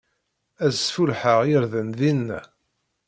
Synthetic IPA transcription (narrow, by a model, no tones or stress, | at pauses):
æzfulħəʁjɪɾðənðinːæ̰